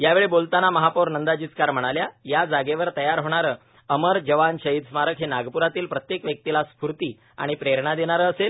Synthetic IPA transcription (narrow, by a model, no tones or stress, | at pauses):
jaʋeɭebolt̪anaməɦapoɾnənd̪ad͡ʑit͡skaɾm̤əɽ̃aljajad͡zaɡeʋəɾt̪əjaɾɦoɽ̃aɾəː | əməɾd͡ʑəʋanɕəɦid̪smaɾəkɦenaɡpuɾat̪iːlpɾət̪jekʋjək̚t̪ilaspɾut̪iː | a̰ɽ̃ipɾeɾɳad̪eɽ̃aɾəːsel